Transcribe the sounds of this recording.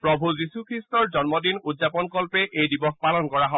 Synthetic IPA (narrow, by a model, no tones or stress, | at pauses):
pɹɔbʱuzisukʰɹistɔɹzɔnmɔdinudzapɔnkɔlpɛʔejdibɔxpalɔnkɔɹaɦɔ